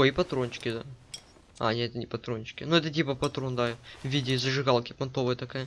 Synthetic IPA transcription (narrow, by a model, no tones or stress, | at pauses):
oipɐt̪ɾonʲt͡ɕɪ̥kʲɪd̪a | a̰nʲeɛt̪ənʲɪpɐt̪ɾonʲt͡ɕɪ̥kʲɪnuɛt̪ət̬ʲipəpɐt̪ɾond̪avʲidʲɪːzəʐɨɣalˠkʲɪpɐnt̪o̞vəjət̪ɐkajə